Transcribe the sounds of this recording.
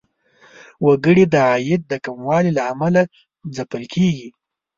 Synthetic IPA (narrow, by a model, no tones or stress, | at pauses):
waɡəɽid̪əɑjɪd̪̚d̪əkamwɑlilaːmala | zapəlkʰeɡi